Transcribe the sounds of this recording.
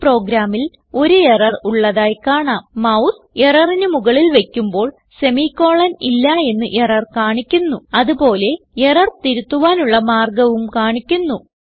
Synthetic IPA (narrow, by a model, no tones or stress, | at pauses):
pro̞ːɡɾaːmil | o̞ɾuerɐruɭːɐðaːjkaːɳaːmmɐws | e̞rɐrinɨmuɣɐɭilʋe̞kʲːumbo̞ːɭ | se̞miːkːo̞ːɭɐnilːɐe̞nːɨʔerɐrkaːɳikʲːunːuɐðupo̞ːle̞ | erɐrt̪iɾut̪ːuʋaːnuɭːɐmaːrɡɐʋumkaːɳikʲːunːu